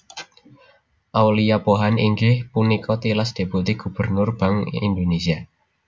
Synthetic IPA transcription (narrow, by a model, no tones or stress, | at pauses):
ʔawlijapoɦaniŋɡɪhpunikʰɔt̪ilasd̪̥e̤but̪iɡ̥ṳb̥ərnʊrb̥aŋḭnd̪onesia